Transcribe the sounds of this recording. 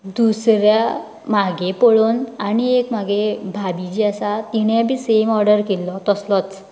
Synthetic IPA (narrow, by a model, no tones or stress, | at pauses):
d̪usɾja | maɡepɔɭonaɽ̃iekmaɡebʱabid͡ʑiasat̪iɽ̃abʱisemɔɾɖəɾkɛlːɔt̪ɔslɔt͡s